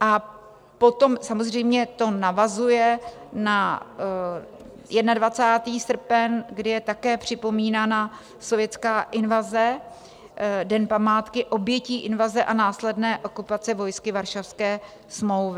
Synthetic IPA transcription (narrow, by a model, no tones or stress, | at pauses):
ʔa | po̞t̪o̞msamozr̝ɛjmɲɛt̪o̞navazujɛ | na | jʔɛdnadvat͡saːt̪iːsr̩pɛnɡdɪjɛt̪akɛːpr̝̥ɪpo̞miːnaːna | so̞vjɛt͡skaːʔɪnvazɛ | dɛnpamaːt̪kɪʔo̞bjɛciːʔɪnvazɛʔanaːslɛdnɛːʔo̞kupat͡sɛvo̞jskɪvaɾʃafskɛː | smlowvɪ